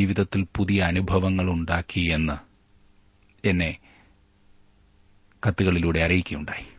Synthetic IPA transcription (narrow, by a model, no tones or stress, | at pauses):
iːʋiðɐt̪ːilpuðijɐːnubʱɐʋɐŋːɐɭuɳɖaːkʰːie̞nːɨ | e̞nːe̞ | kɐt̪ːuɣɐɭiluːɽe̞ɐrijikʲːɐjuɳɖaːji